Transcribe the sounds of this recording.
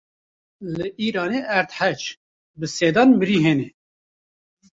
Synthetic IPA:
lɨʔiːɾɑːneʔæɾt̪ħæt͡ʃ | bɨseːd̪ɑːnmɨɾiːɦeːne

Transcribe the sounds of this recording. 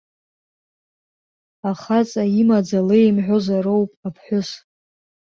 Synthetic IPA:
aχat͡sʼaimad͡zalejmħʷᶣozaɾowpʼapʰħʷᶣʊs

